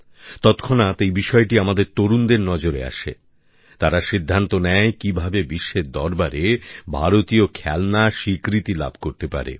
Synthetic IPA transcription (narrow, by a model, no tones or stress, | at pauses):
t̪ɔt̪kʰonat̪ejbiʃɔeʈiamad̪eɾt̪oɾund̪eɾnɔd͡ʑoɾea̰ʃḛ | t̪aɾaʃid̪ʱːant̪onɛjkibʱabebiʃːed̪ɔɾbaɾebʱaɾot̪iokʰɛlnaʃikɾit̪ila̰bʱkoɾt̪epa̰ɾḛ